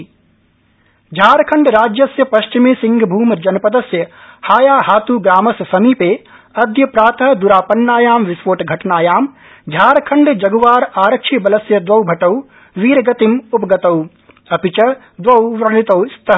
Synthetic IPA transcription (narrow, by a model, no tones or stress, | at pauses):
d͡ʒʱaːɾkʰɐɳɖɾaːd͡ʒjɐsjɐpɐʃt͡ʃimeːsiŋɡʱbʱuːmd͡ʒɐnɐpɐd̪ɐsjɐhaːjaːɦaːt̪uːɡɾaːmɐssɐmiːpeː | ɐd̪ʱjɐpɾaːt̪ʰɐɦd̪uɾaːpɐnːaːjaːmʋɪsʋoːʈɡʱɐʈnaːjaːm | d͡ʒʱaːɾkʰɐɳɖd͡ʒɐɡɐʋaːɾaːɾɐkʃʰibɐlɐsjɐd̪ʋɐwbʱɐʈɐw | ʋiːɾɡɐt̪imupɐɡɐt̪ɐw | ɐpit͡ʃɐ | d̪ʋɐwʋɾɐɳit̪ɐwst̪ɐ